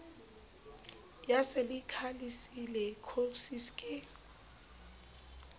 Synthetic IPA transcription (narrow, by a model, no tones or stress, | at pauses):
jaselikʰalisilɛkʰosiskʼɛ